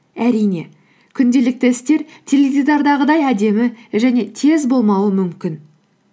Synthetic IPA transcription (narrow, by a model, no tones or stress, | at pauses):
æɾijne̞̰ | kʲʰʏnd̪e̞lɪk̚t̪ɪɪst̪e̞ɾt̪ʲʰelevʲid̪ɑɾd̪ɑʁəd̪ɑjæd̪e̞mɪʒæne̞t̪ʰe̞zbo̞lˠmɑwəmʏmkʲɪn